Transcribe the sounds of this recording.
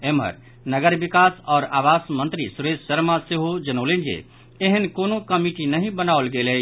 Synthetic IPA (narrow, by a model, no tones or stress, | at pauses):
emɦə̰ɾ | nəɡəɾbikasɔːɾaːbasmə̃nt̪ɾisuɾessəɾmaseɦod͡ʒənoːlẽnd͡ʒḛ | eɦənkonokəmiʈinəɦĩbənaolɡeləj